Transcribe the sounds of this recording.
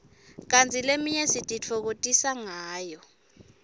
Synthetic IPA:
k̬ant͡sʰilemijesitʼit͡fʰɔk̬otʼisaŋaːjɔ

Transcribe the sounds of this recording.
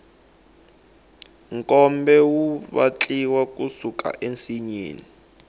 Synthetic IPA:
ŋkʼɔmbɛwuβa̰t͡ɬʼiwakʼusukʰʼa̰ʔent͡siɲḛːni

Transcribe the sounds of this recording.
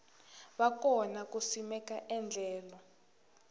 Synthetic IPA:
βakɔnakusimɛkʼaʔɛnd͡ɮʱɛːlɔ

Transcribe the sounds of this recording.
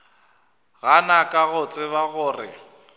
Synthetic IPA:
ɣanakʼaɣʊt͡sʼɪβaɣʊːrɪ̰

